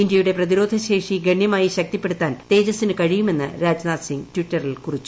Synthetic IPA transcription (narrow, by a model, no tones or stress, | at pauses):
indjɐjuɽe̞prɐðiɾo̞ːd̪ʱɐɕe̞ːʂiɡɐɳjɐmaːjiɕɐk̚t̪ipːe̞ɽut̪ːaːnt̪e̞ːd͡ʑɐsːinɨkɐɻijume̞nːɨ̰ɾaːd͡ʑnaːsiŋɡtʋiʈːɐrilkurit͡ɕːu̥